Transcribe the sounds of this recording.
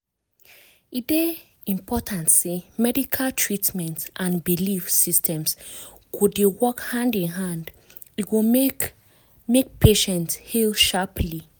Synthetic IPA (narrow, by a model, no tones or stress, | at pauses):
ide | ĩmpɔtʰãntsemɛdikʰaltʰɹitmɛ̃ntʔãnbilifsistʰɛ̃ms | kʰudewɔkhãndĩnɦãnd | iwo | mek̚pʰeʃɛ̃nthilʃapʰli